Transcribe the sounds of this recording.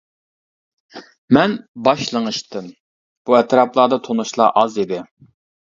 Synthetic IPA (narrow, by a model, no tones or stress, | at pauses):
mɛnbɑʃlˠəŋɨʃt̪ɨm | b̥uɛt̪ɾɑplˠɑːd̪ɑt̪ʰonuʃlˠɑ̰ʔɑzid̪ɪ